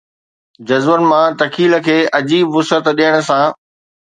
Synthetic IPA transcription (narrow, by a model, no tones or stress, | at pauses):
d͡ʑɐzʋənɪ̆mãt̪ɐkʰiːl̆kʰeːʔɐd͡ʑiːbʋʊsət̪ɗiəɽ̃ʊ̆sã